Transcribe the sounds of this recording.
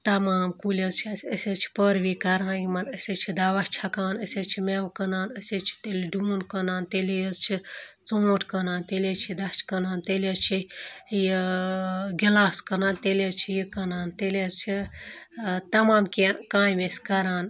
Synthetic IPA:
t̪ɐmaːmkulʲezt͡ʃʰisʲəsʲezt͡ʃʰi̥pəɾʋiːkɐɾaːnjimɐnəsʲet͡ʃʰid̪ɐʋɐʃt͡ʃʰɐkaːnəsʲet͡ʃʰimeʋkɐnaːnəsʲet͡ʃʰi̥t̪eliɖuːnkɐnaːnt̪elejzt͡ʃʰit͡soːʈʰkɐnaːnt̪elʲet͡ʃʰid̪ɐt͡ʃʰkɐnaːnt̪elʲezt͡ʃʰiji | ɡʲilaːskɐnaːnt̪elʲezt͡ʃʰijikɐnaːnt̪elʲezt͡ʃʰi | t̪ɐmaːmkʲenkãːjmesʲkɐɾaːn

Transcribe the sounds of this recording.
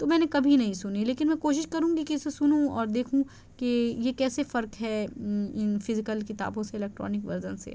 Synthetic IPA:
t̪omɛ̃ːnekɐbʱinɐɦĩsʊnileːkɪnmɛ̃koːʃɪʃkɐɾũːɡikiʊsesʊnũɔːɾd̪eːkʰũ | kejekɛːsefɐɾkɦɛɪnfɪzɪkəlkɪt̪a̰ːbõseɪlɛːk̚ʈɾɔ̰ːnɪkʋɐɾzənsḛː

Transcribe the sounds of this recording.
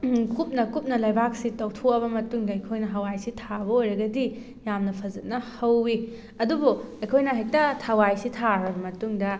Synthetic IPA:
kup̚nɐkup̚nɐlɐjbak̚sitɐwtʰoɐβɐmɐtuŋdɐɐjkʰojnɐɦɐwajsitʰabɐojɾɐɡɐdi | jamnɐpʰɐzɐt̚nɐhɐwːi | ɐdubuɐjkʰojnɐɦɐjtɐtʰawajsitʰaɾɐbɐmɐtuŋdɐ

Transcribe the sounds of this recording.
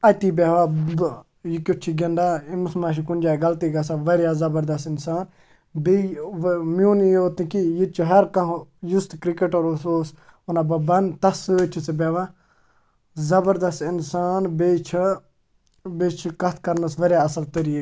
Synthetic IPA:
ɐt̪ibeːʋab | jikʲot͡ʃʰiɡɐnɖ̪aimusmaːʃ̬ikund͡ʒaːɡɐlt̪iɡɐs̬aʋɐɾjaːzɐbɐɾd̪ɐst̪ɪnsaːn | be | mjuːnioːt̪ĩkijit͡ʃʰiɦɐɾkɐɦjust̪kɾikeʈoɾosoːs | unaːbɐbɐnt̪ɐsɨt͡ʃʰit͡sibeʋa | zɐbɐɾd̪ɐst̪insaːnbeːt͡ʃʰ | bet͡ʃʰikɐt̪̚ʰkɐɾnɐsʋɐɾjaɐsɐlt̪əɾi

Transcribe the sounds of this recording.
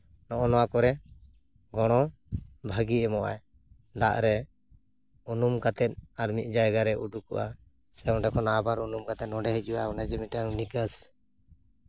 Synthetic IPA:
nɔʔɔnɔwakɔɾɛ | ɡɔɽ̃ɔ | bʱaɡiɛmɔʔa̰j | d̪aʔɾɛ | unumkat̪ɛt̪̚aɾmit̪̚ˀd͡ʒajɡaɾɛʔuɖukɔ̰ʔa̰ | sɛɔɖɛkɔnabaɾunumkat̪ɛt̪nɔɖɛɦɛc̚ˀuwaɔnad͡ʒɛmiʈaŋnikəs

